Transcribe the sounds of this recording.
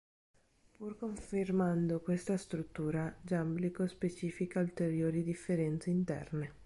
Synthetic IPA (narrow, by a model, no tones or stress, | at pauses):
purkoɱfermand̪okwest̪ast̪ɾut̪ːuːɾad͡ʒamblikospet͡ʃiːfikault̪eɾjoːɾid̪ifːeɾɛnt̪seint̪ɛ̰rne